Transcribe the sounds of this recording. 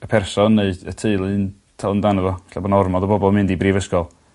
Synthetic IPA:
əpʰɛrsɔnːeɨd̥ətʰeɨlˠɨn | tʰalˠəndanəvɔ̥ɬabɔnaɔrmɔdəbɔbɔlˠmɨndibriːvəskɔlˠ

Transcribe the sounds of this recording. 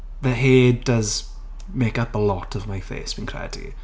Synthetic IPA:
ðəɦeːdəz | meːkabəlɔtʰəvmajfḛːsb̥ĩnkʰrɛ̰d̥ḭ

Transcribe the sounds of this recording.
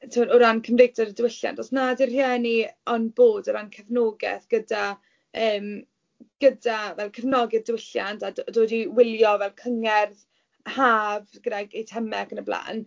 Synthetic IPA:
tʰuːɾʊɾankʰəmrejtʰɔɾədəwɪɬja̰ntʰɔsnadɪr̥jɛːniɔnboːdʊɾankʰəvnoːɡɛ̰θɡ̥əda | əːm | ɡ̥ədavɛlˠkʰəvnɔɡɪðdɪwɪɬjantʰaddoːdiwɪlˠjɔvɛlˠkʰəŋɛrð | haːvɡ̥ədɛɡejtʰɛmɛkənəbla̰ːn

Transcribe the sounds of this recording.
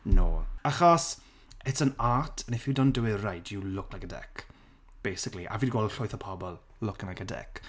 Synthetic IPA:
no̰ːaχɔs | ɛtʰənatʰənefɪwdɔndəwɪrajduwlʊknaɡədɛ̰kʰ | b̥ejsɪkliʔa̰viːdɡwɔlˠdɬʊjθəpʰɔbɔlˠ | lʊkənaɡədɛ̰k

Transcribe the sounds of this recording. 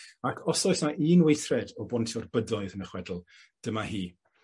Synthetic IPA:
akʰɔsɔɨsnaʔiːnwejθrɛdɔbɔntʰɔrbədɔɨðənəχwɛdl̩ˠ | d̥əmahiː

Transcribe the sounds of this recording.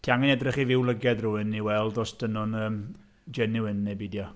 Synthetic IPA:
tʰiaŋɛnɛdrɪχivɪwlˠəɡɛðruːɪniwɛlˠdɔsd̥ənʊnəːm | d͡ʒɛnɪwɪnːejbidjɔ

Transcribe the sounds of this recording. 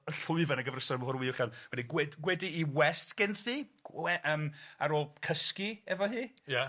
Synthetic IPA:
əɬʊɨvanəɡəvrəsɔmvɔɾwiːɔχanwɛdiɡwɛdɡwɛdiːwɛstɡ̥ɛnθi̥ɛʔəːmaɾoːlˠkʰəskiɛvɔɦiːja

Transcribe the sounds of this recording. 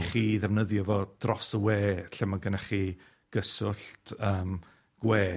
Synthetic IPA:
χiːðɛvnəðjɔvɔd̥rɔsəweːɬɛmaɡənaχi | ɡ̥əsʊɬtʰəːm | ɡ̥weː

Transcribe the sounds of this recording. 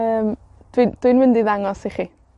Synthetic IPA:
əːm | d̥wind̥winmɪndiðaŋɔsiχi

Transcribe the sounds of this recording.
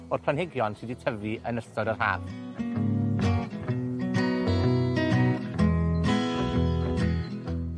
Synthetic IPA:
ɔr̥pʰlanɪɡjɔnsiditʰəviʔənəstɔdərha̰ːv

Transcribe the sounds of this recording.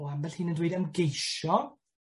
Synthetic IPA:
ambɛlhɨːnəndweɨdəmɡejʃɔ

